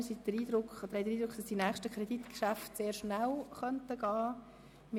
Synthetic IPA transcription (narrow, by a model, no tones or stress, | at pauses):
sid̥̪əɾiːd̪ɾʊkχd̪əɾhɛɪdəɾiːd̥̪ɾʊkχd̥ɑsdinæːχʃtəkʰɾedit̪kʃæftseːɾʃnælχœntəɡ̥ɑː | mɪ